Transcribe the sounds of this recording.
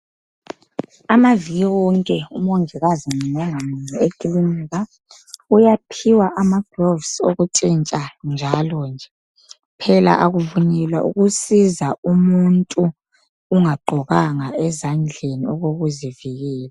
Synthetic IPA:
amaviɣiwɔŋkʼɛumoŋiɣaziniŋɔŋamiŋ͡ǀiekʼiliniɣa | ujapʰiwaʔamaɡ̥rɔvsoɣutʼint͡ʃʼand͡ʒʱalɔnd͡ʒʱɛ | pʰɛla̰ʔaɣuvunɛlwaʔṵɣusizaumuntʼuː | ŋaɡ͡ǃʱɔɣaŋaɛzand͡ɮʱeniɔɣoɣuziviɣɛːla

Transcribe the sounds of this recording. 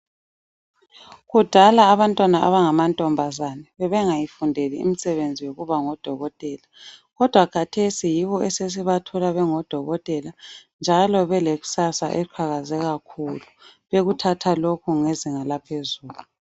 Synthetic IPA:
ɣud̥ʱalaːβantʼwanaʔa̰βaŋamantʼɔmbʱazanɛβɛβɛŋajifundʱelḭḭm̩sɛβend͡zʱiwoɣuβaŋɔd̥ʱɔɣɔtʼɛlaɣɔd̥ʱwakʰatʰesijiβɔɛses̬iβatʰɔlaβɛŋɔd̥ʱɔɣɔtʼɛland͡ʒʱalɔβɛleɣu̥sasa̰ʔɛǃʰwaɣazɛɣakʰuluβeɣutʰatʰalokʰuŋeziŋalapʰezuːɣu

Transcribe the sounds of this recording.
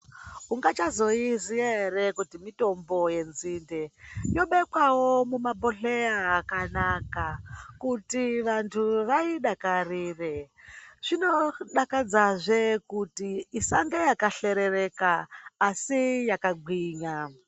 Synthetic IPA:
uŋɡat͡ʃazo̞izierekutimito̞mbo̞je̞nzindejo̞ɓekwawomumaboɬeaːkanakakutiʋantʰuʋaiɗakariːre | ʐ̥ino̞ɗakad͡zaʐekutiːsaŋɡejakaɬe̞ɾerekaːsijakaɡʱwiːɲa

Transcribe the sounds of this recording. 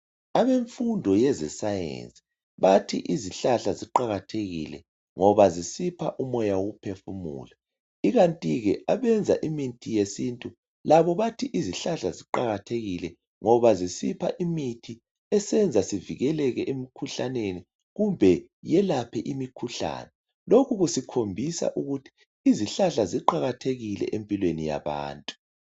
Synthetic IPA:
aβeɱfundʱɔjɛzɛ̰sajḛnt͡sʼi̥ | βatʰḭʔiziɬaɬaziǃaɣatʰeɣḭlɛ̰ | ŋɔβazisipʰaʔumɔjawoɣupʰefumṵːla | iɣantʼiɣɛʔaβɛnd͡zʱa̰ʔimintʰijesintʼu | laβɔβatʰiʔiziɬaɬaziǃaɣatʰeɣilɛ | ŋɔβazisipʰa̰ʔimitʰi | ɛsɛnd͡zʱasiviɣɛlɛɣɛʔemikʰuɬaneni | ɣumbʱɛ | jɛlapʰɛʔimikʰuɬa̰ːnɛ | lokʰuɣusikʰombʱisa̰ʔuɣutʰi̥ | iziɬaɬaziǃaɣatʰeɣilɛ̰ʔempʼilwenija̰βa̰ːntʼu̥

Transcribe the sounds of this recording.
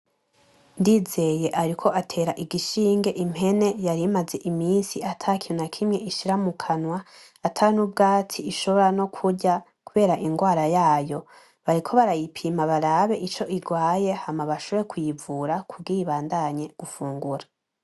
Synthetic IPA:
ndize̞je̞ʔaɾikʰo̞ʔatʰe̞ːɾaʔiɡiʃiːŋɡe̞ʔimhe̞ne̞jaɾimaze̞ʔimiːnsiatʰakʰiunakʰimɲe̞ʔiʃiɾamukʰanwaː | tʰanub̚ɡaːt͡siːʃo̞βo̞ɾano̞kʰuɟa | kuβe̞ːɾaʔiŋɡwaːɾajaːjo̞ | βaɾikʰo̞βaɾajipʰimaβaɾaβe̞ʔit͡ʃo̞ʔiɡwaːje̞hamaβaʃoβoɾekʰujivuɾakub̚ɡiβaːndaɲe̞ɡ̥ufuːŋɡuɾa

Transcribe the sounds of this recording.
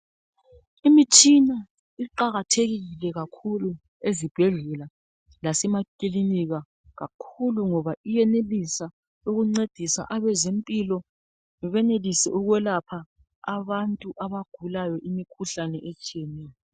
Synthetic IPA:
imit͡ʃʰʼina | iǃaɣatʰeɣiilɛɣakʰulu | ezib̥ʱɛɮɛla | lasɛmakʼiliniɣa | ɣakʰuluŋɔβaijɛnelisa | uɣuŋ͡ǀed̥ʱisa̰ʔaβɛzempʼilɔ | βɛnelisɛ̰uɣwɛlapʰaː | βantʼuʔaβaɡ̥ʱulajɔʔimikʰuɬanɛʔɛt͡ʃʼiɛnɛːjɔ

